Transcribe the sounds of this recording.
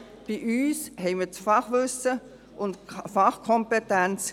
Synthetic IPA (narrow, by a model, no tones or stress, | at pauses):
b̥iʔyːshɛɪmiːt͡sfɑχʋʏsə | ʔʊntfɑχkʰɔmpetænt͡s